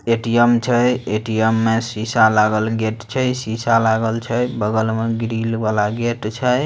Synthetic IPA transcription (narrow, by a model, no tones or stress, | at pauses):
eʈiemt͡ʃʰəjeʈijemːesisalaɡəlɡeʈt͡ʃʰəjsisalaɡəlt͡ʃʰəjbəɡəlmeɡɾilbalaɡeʈt͡ʃʰəj